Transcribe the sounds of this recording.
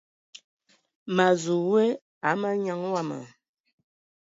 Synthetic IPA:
ma˨zu˨we˦ | a˨˦mə˦ɲa˦ŋwa˦˨mə̰˨

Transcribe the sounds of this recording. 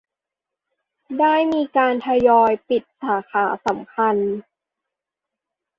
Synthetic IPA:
daː˥˩jmiː˧kaː˧nt̪ʰa˧jɔː˧jpi˨˩t̪̚saː˩˦kʰaː˩˦sa˩˦mkʰa˧n

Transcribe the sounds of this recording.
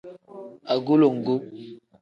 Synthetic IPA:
a˨ɡo˦lo˨ŋ̩˨ɡo˦

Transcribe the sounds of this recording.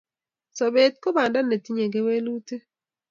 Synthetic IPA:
sɔ˨be˨t̚ko˦ba˨nda˦ne˨ti˦ɲe˨ɡe˦we˦lu˦te˦

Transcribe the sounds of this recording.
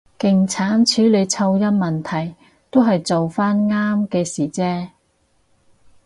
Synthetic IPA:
kɪ˨˩ŋt͡sʰaː˨˥nt͡ʃʰyː˨˥le˨˧jt͡sʰɐ˧wjɐ˥n̚mɐ˨nt̪ʰɐ˨˩j | t̪o˥wɦɐ˨jt͡so˨wfaː˥nŋaː˥mkɛː˧siː˨˩t͡sɛː˥

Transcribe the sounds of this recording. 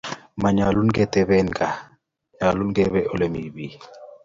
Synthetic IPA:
ma˨ɲa˨lu˦nɡɛ˦t̪ɛ˦bɛ˦nka˨ | ɲa˨lu˦nɡɛ˦βɛ˦ʔo˦le˦mi˨bi˦

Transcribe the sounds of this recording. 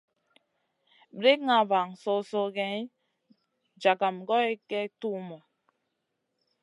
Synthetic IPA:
bɾe˦kŋa˨ba˨ŋso˦so˦ɡɛ˦ | d͡ʒa˨ka˨mɡɔ˦e˦kɛ˦tu˦mɔ˨

